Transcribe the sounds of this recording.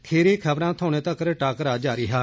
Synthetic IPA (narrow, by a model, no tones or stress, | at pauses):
kʰeːɾiːkʰəbɾãːt̪ʰoːɽ̃eːt̪əkɾʈaːkɾaːd͡ʒaːɾiːɦaː